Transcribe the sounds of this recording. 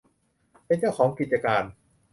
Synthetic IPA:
pe˧nt͡ɕa˥˩wkʰɔː˩˦ŋki˨˩t̪̚t͡ɕa˧kaː˧n

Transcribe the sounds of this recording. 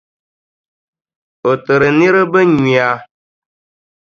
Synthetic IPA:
o˨tɨ˨ɾɨ˨ni˦ɾɨ˦bə˦ɲi˨a˨

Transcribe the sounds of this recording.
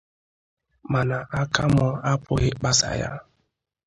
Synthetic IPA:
ma˨na˨ʔa˦ka˦mɔ˦a˦pʊ˦ɣɪ˦k͡pa˦sa̰˨ja̰˦

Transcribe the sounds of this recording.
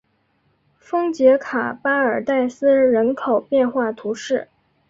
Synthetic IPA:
fɤ˥ŋt͡ɕjɛ˧˥kʰa˨˩pa˥ə˞˨˩t̪a˥˩ɪsɹ̩˥ɻə˧˥nkʰo˨˩ʊpjɛ˥˧nxwa˥˩t̪ʰu˧˥ʂɻ̩˥˩

